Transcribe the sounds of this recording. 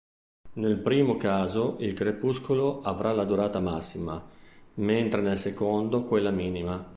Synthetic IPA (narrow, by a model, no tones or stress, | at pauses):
nelpɾiːmokaːzoʔilkɾepuskoloʔavɾʔalad̪uɾaːt̪amasːimament̪ɾenelsekond̪okwelːamiːnima